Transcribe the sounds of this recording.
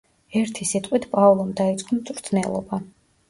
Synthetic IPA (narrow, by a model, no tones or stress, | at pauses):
ɛɾt̪ʰisit̪ʼqʼwit̪ʰpʼavlˠɔmd̪ait̪sʼqʼɔmt̪sʼɾt̪ʰnɛlˠɔ̰ba